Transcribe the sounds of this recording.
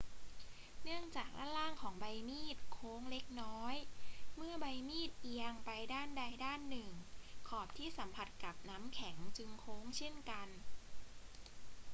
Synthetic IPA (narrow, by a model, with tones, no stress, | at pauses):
nɯ˥˩əŋt͡ɕaː˨˩k̚la̰ː˥˩laː˥˩ŋkʰɔː˩˦ŋba˧jmiː˥˩t̪̚kʰoː˦˥ŋle˦˥k̚nɔː˦˥jmɯ˥˩ɐba˧jmiː˥˩t̪̚ʔi˧əŋpa˧jdaː˥˩nda˧jdaː˥˩nːɯ˨˩ŋkʰɔː˨˩p̚t̪ʰiː˥˩sa˩˦mpʰa˨˧˩t̪̚ka˨˩p̚naː˦˥mkʰɛ˩˦ŋt͡ɕɯ˧ŋkʰoː˦˥ŋt͡ɕʰe˥˩nka˧n